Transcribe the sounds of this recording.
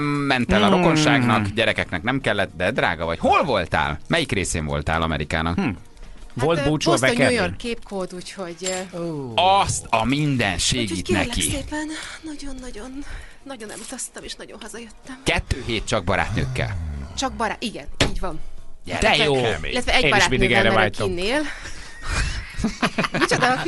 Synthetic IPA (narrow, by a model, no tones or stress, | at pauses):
mːɛnt̪ɛlɒɾoko̞nʃaːɡnɒkɟɛɾɛkɛknɛknɛmkɛlːɛt̪d̪ɛd̪ɾa̰ːɡɒvɒcho̞lvo̞lt̪a̰ːlmɛjikreːsḛːɱvo̞̰lt̪a̰ːlɒmɛ̰ɾika̰ːnɒk | volt̪buːt͡ʃovɛkojonkeːp̚kʰoːd̪uːcho̞ɟ | ɒst̪ɒmind̪ɛnʃeːɡiːt̪nɛ̰lkḭeːɛnnɒɟo̞nːɒɟo̞nː | ɒɟo̞nɛ̰lut̪ɒst̪ɒmeːʃnɒɟonɦɒzɒjøt̪ːɛmkɛt̪ːøːɦeːt̪̚t͡ʃɒɡ̚bɒɾa̰ːt̪nø̰ːkːɛ̰lt͡ʃɒɡ̚bɒɾaːiɡɛniːɟʋvɒnjɛ̰d̪ɛjoːḛlːɛt̪vɛɛɟbɒɾatmind̪iɡɛɾɛɛvaːɛjk̪oineːl | it͡ʃod̪ɒ